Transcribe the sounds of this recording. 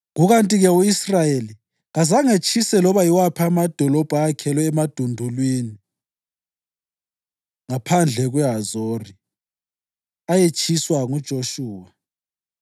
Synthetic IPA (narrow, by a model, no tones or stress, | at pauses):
ɣuɣantʼiɣɛuisrajeli | ɣazaŋet͡ʃʰʼisɛlɔβaiwapʰamad̥ʱɔlɔb̥ʱaːkʰɛlɔɛmad̥ʱundʱulwiːni | ŋapʰand͡ɮʱɛɣwɛɦazoːri | ajet͡ʃʼʰiswaŋud̥ʒ̥ʱoʃuːwa